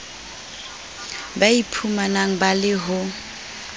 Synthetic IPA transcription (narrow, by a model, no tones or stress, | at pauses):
baipʰumanaŋ̩balɪɦʊ